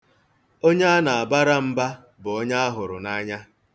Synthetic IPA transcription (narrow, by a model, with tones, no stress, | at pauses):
o˦ɲa˦a˦na˨a˨ba˦ɾa˦m̩˦ba˦ | bʊ˨o˦ɲa˦a˦ɦʊ˨ɾʊ̰˨na˦ɲa˦